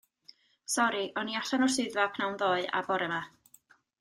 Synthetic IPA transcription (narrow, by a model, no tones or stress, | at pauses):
sɔɾiʔɔniaɬanɔr̥sɨɨðvapʰnawnðoːɨa̰bɔɾɛma